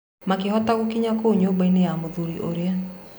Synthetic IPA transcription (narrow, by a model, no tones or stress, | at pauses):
makehɔtaɣokiɲakoɲobainejamoðuɾiʔo̰ɾea